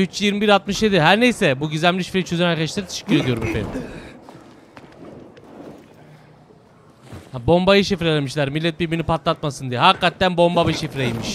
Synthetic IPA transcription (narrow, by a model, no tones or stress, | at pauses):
yt͡ʃjiɾmibiɾat̪mɯʃje̞d̪iɦæɾnejsɛbuɟyzælʲmlʲiʃi̥fɾet͡ʃʰøzynaɾkad̪aʃlˠaɾɯt̪ʰe̥ʃi̥cʰːyled̪ijo̞ɾumbpʰḛ | hbo̞mbajɯʃifɾejmɯʃlˠaɾmilʲːɛt̪̚biɾbinipʰat̪lˠat̪̚masɯnd̪ijɛɦakːat̪ːænbo̞mbabiʃifɾejmɯʃ